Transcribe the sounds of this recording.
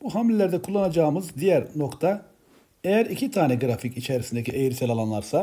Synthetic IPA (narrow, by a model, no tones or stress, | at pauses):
b̥uɦamlʲelʲæɾd̪ɛkʰulˠːanad͡ʒaːmɯzd̪ijæɾno̞kt̪ʰa | ejæɾicʰit̪ʰaːnɛɡɾaficit͡ʃʰɛɾisind̪ecʰiʔejɾisɛlʲalˠanlˠaɾsa